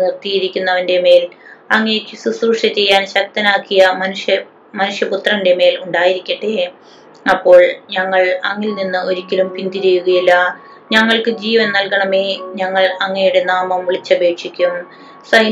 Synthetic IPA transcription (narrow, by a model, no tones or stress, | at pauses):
nirt̪ijiɾikʲːunːɐʋɐnde̞me̞ːlɐŋːɐjekʲːɨsusruʂʈɐt͡ɕe̞jːaːnɕɐk̚t̪ɐnaːkːijɐmɐnuʂjɐ | mɐnuʂjɐput̪rɐnnde̞me̞ːluɳɖaːjiɾikʲːɐʈːe | ɐpːo̞ːɭɲɐŋːɐɭɐŋːilninːɨo̞ɾikʲːɐlumpind̪iɾejuɣɐjilːɐ | ɲɐŋːɐɭkɨd͡ʑiːʋɐnnɐlkɐɳɐmeːɲɐŋːɐɭɐŋːɐnejuɽe̞naːmɐmʋiɭit͡ɕːɐbʱe̞ːkʂikʲːum | sɐj